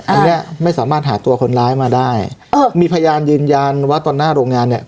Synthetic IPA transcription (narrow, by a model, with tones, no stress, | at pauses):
t̪a˧ni˦˥ɐma˥˩jsaː˩˦maː˥˩t̪̚ɦaː˩˦t̪u˧ɐkʰo˧nlaː˦˥jmaː˧daː˥˩jmiː˧pʰa˧jjaː˧njɯː˧nja˧nwaː˥˩t̪ɔː˧nːaː˥˩ɾoː˧ŋaː˧nːi˨˩ɐ